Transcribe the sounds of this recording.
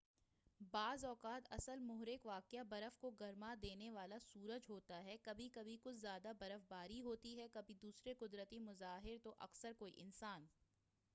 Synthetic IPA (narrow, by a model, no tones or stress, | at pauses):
baːzɔːkaːt̪ɐ̰səlmʊɦɾɪkʋaːkjabɐɾəfkoɡɐɾmad̪eːneʋaːlasuːɾəd͡ʒɦoːt̪aɦɛkɐbʱikɐbʱikʊt͡ʃʰzjaːd̪abɐɾəfbaːɾiɦoːt̪iɦɛkɐbʱid̪uːsɾekʊd̪ɾət̪imʊzaːɦɪɾt̪oʔɐ̰ksəɾkoːiʔɪnsaːn